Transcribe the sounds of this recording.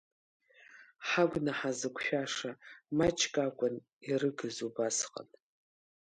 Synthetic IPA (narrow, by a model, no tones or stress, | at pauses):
ħaɡʷnaħazɨkʷʼʰʃʷᶣaʂamat͡ʃʰʼkʼakʷʼʊn | irɨɡɨzubasqʼa̰n